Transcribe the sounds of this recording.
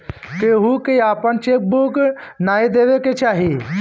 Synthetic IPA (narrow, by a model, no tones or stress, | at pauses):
keɦukeaːpənt͡ʃek̚buknaːid̪eʋeket͡ʃaːɦi